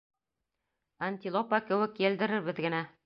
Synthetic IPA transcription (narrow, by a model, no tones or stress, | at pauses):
anʲt̪ʲilˠopakɘ̆wɘkːeld̪ɘ̆ɾɘɾbɘðɡɘ̆næ